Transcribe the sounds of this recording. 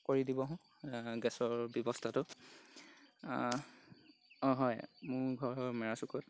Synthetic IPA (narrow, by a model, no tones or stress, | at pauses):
koɹidibɔɦʊ̃ | ɡɛsɔɹbjɔbɔstʰatʊ | ɔɦɔjmʊɹɡʱɔɹɔmɛɹasukɔt